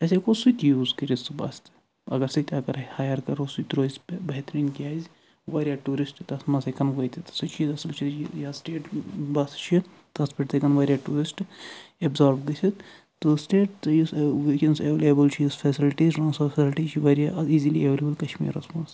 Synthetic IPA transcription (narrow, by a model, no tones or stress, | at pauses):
ɐsekosut̪juːzkɐɾisubɐ̰ːst̪ | ɐ̰ɡɐɾsit̪ʲɐɡɐɾhaːjɐɾkɐɾosut̪ɾoːzʲbɐɦt̪ɾinkijaːz | ʋaːɾʲijaːʈuːɾisʈt̪ɐsmɐsekɐnkɐt̪ʰit̪sɨt̪t͡ʃʰit̪ɐsɐlt͡ʃʰit̪t͡ʃijasʈeːʈbɐst͡ʃʰi | t̪ɐspʰiʈt̪ʰekɐnʋɐːɾʲjaːʈuːɾisʈebzaːɾʋɡɐt͡ʃʲʰit̪ | t̪ːosʈeːʈjisʋikenseʋelebɨlt͡ʃʰijisfʰɛsilʈizʈɾãːnsfsilʈiːt͡ʃʰiʋɐɾjaiːzilieʋeleːbəlkɐʃmḭːɾɐsmɐːs